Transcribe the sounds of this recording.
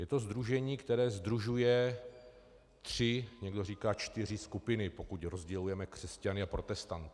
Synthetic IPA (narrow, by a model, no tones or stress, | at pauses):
jɛt̪o̞zd̪ɾuʒɛɲiːkt̪ɛɾɛːzd̪ɾuʒujɛ | t̪r̥ɪɲɛɡdo̞riːkaːt͡ʃt̪ɪr̝ɪskupɪnɪpo̞kucɾo̞zɟɛlujɛmɛkr̝̥ɛscanɪapɾo̞t̪ɛst̪ant̪